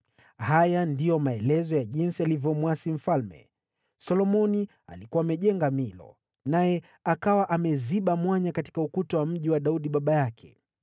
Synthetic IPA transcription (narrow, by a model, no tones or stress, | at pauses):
hajandijɔmaɛlɛzɔjaʄinsialivjɔmwasim̩falmɛ̰ | sɔlɔmɔni | a̰likuwaːmɛʄɛŋɡamilɔ̰ | najɛ | akawaʔamɛziɓamwaɲakati̥kaukutɔwam̩ʄiwaɗauɗiɓaɓajakʰɛ̥